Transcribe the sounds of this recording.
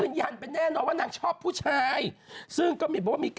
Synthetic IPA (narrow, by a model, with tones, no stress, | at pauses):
ɯː˧˩njaː˧˩npe˧nːɛː˥˩nɔː˧nwaː˥˩naː˧˩ŋt͡ɕʰɔː˥˩pʰːuː˥˩t͡ɕʰaː˧˥jsɯ˥˩ŋkɔː˥˩i˨˦p̚ːɔ˨˧˩wa˥miː˧k